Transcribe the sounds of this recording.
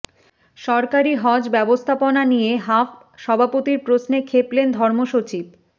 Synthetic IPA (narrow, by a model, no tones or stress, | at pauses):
ʃɔɾkaɾiɦɔd͡ʑbɛbost̪ʰaponanijeɦaf | ʃɔbʱapot̪iɾpɾosnekʰeplend̪ʱɔɾmoʃot͡ɕib̚